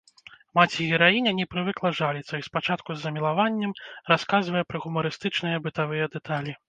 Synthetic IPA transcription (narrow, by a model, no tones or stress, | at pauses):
mat͡sʲiɣʲɛɾajinʲɐnʲɛpɾɨvɨklˠɐʐalʲit̪sɐispat͡ʂat̪kuzːɐmʲilˠavanʲːɛmraskazvɐjɛpɾɐɣumɐɾɨst̪ɨt͡ʂnɨjɐbɨt̪avɨjɛd̪ɛt̪ʰalʲi